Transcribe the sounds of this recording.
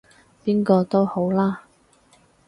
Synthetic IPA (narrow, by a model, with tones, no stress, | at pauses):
piː˥nkɔː˧t̪o˥who˨˥wlaː˥